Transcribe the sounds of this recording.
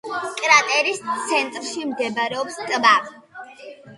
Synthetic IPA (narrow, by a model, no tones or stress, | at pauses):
kʼɾat̪ʼɛɾist̪sʰɛnt̪ʼɾʃimɡɛbaɾɛɔpskʼbav